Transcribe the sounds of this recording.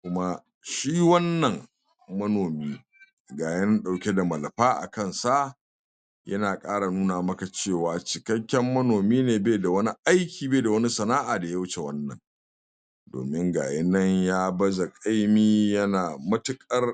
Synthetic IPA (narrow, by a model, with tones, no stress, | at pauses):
kʊ˦ma˦ | ʃiː˦wɐ˦nːɐ˨ŋ | mɐ˦noː˨miː˦ | ɡaː˨jɐ˦nɐ˦ɗa˨wkʲe˦da˨mɐ˨lɐ˨ɸaː˦ʔa̰˨kɐ˦nsa˦ʔ | jɐ̰˦naː˨kʼaː˦ɽa˨nuː˦naː˨mɐ˦ka˨t͡ʃeː˦˨waː˨t͡ʃɪ˨kɐ˦kʲːɛ˦mːɐ˦noː˨miː˦neː˨be˦da˨wɐ˦ni˦ʔa˦jkʲʰiː˨beː˦˨da˨wɐ˦ni˦sɐ˨naː˦ʔaː˨da˨ja˦wʊ˦t͡ʃe˨wɐ˦nːɐ̰˨ŋ | do̰ː˨mɪ˦ŋɡa̰ː˨jɐ˦nːɐ˦ɲjaː˦bɐ˦za˨kʼa˦jmiː˦jɐ˦naː˨mɐ˦tʊ˦kʼɐ˦r